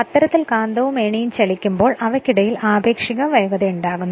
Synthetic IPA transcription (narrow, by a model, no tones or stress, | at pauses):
ɐt̪ːɐɾɐt̪ːilkaːnd̪ɐʋumeːɳijumt͡ɕɐlikʲːumbo̞ːɭɐʋɐkʲːiɽɐjilaːbe̞ːkʂiɣɐʋɐjɐɣɐðeuɳɖaːɣunː